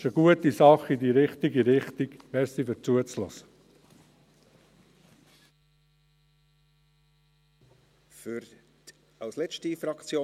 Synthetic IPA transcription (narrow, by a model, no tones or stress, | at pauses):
ʃəɡ̥uət̪isɑχidiːɾɪχt̪iɡiɾɪχt̪iɡʋɛsifət͡suət͡slɔ̰sə̥ | fyɾ | ɑwslɛt͡ʃtifɾɑkt͡sjoː